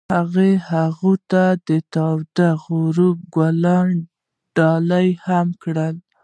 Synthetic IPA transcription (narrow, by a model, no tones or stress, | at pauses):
haɣehaɣut̪ad̪ət̪ɑwd̪aɣuɾub̚ɡwalɑn | ɖ̥ɑlajhamkɽəl